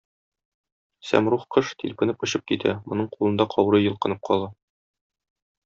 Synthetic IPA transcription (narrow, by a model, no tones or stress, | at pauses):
sæ̰mɾuχqɤʃt̪ḭlʲpɘ̆nɘpŏɕɤp̚kit̪ʰæ̰mŏnɤɴqulˠɤ̆nd̪ɑqʰɒwɾɤjɤ̆lˠqɤ̆nɤp̚qʰɒ̰lˠɑ